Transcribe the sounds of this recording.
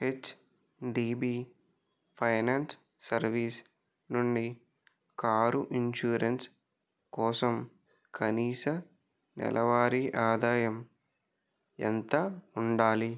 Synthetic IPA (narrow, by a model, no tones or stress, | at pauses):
et͡ʃː | ɖiːbi | pʰɐjnaːnsː | ɐɾʋiːs | nuɳɖi | kaːɾuʔiɲʃuːɾens | kɔːsɐm | kʰɐniːsɐ | nɛ̰lʔɐʋaːɾiʔaːd̪aːjɐm | ɛ̰nt̪ɐuɳɖaːli